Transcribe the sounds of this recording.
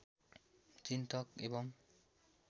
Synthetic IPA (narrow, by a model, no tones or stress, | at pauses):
t͡ʃint̪ɔkḛbɔŋ